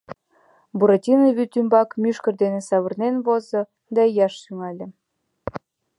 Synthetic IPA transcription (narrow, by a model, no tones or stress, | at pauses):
buɾatʲinəβyt̪ymbɑkmyʃkə̆rd̪enesɑβə̆rnenβozɤ̆ | d̪ɑjɑʃsyŋɑlʲĕ